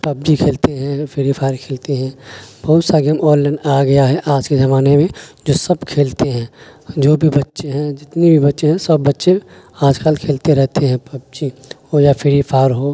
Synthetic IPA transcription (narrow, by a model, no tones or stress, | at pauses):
pɐb̚d͡ʒikʰeːlt̪eɦɛ̃pʰɪɾipʰaːɾkʰeːlt̪eɦɛ̃b̥ɐɦʊt̪saɡemɔːllə̃ɳɖaɡɐjaɦɛʔaːd͡ʒkezɐmaːnemẽd͡ʒoːsɐbkʰeːlt̪eɦɛ̃ːd͡ʒoːbʱibɐtːʃeɦɛ̃d͡ʒɪt̪nibʱibɐtːʃeɦɛ̃sɐbːɐtːʃe | aːd͡ʒkalkʰeːlt̪eɾɛɦt̪eɦɛ̃pɐb̚d͡ʒihojafʰɪɾipʰaːɾɦoː